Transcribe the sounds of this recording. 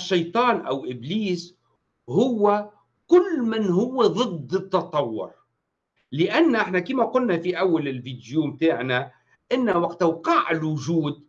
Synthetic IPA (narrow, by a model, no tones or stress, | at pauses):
ʃːɑjt̪ˤɑːnʔa̰wʔɪbliːs | hʊwːa | kʊlːmɪnɦʊwːeðˤɨd̪ːɨt̪ːɑt̪ˤɑwːʊ̰ɾ | lɪʔanːʔɪħnakiːmaqʊlnafiʔawːalɪlviːd̪juːmt̪aːʕna | ʔɪnːawaqt̪awqɑːʕɪlwʊʒuːd̪̚